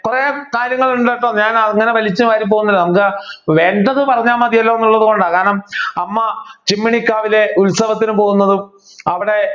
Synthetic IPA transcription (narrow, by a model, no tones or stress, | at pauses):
kureːkaːɾjɐŋːɐɭuɳɖaːjʈːoːɲaːnɐŋːɐne̞ʋɐlit͡ɕːuʋaːɾimp̬o̞ːɣunːɐlːnɐmukːɨʋeɳɖɐðɨpɐrɐɲːaːmaːd̪ijɐlːoːenːuɭːɐðuko̞ɳɖaːkaːnɐmɐmːɐt͡ɕimːiɳikːaːʋile̞ulsɐʋɐt̪ːinupo̞ːɣunːɐðɨ | ɐʋiɽe̞